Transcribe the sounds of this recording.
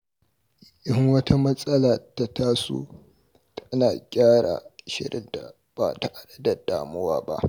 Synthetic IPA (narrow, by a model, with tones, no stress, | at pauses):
ʔɪ˦ŋwɐ˦tʰa˦mɐ˦sʼɐ˦la˨ta˨taː˦sṵː˦ | tʰɐ˦naː˨kʲʼaː˦ɽa̰˨ʃɪ̰˦ɽɪ̰˦nta˨ | b̥a̰˨ta˨ʔa˨dɐ˦da˨d̥aː˨mʊ˦waː˦ba̰˦ʔ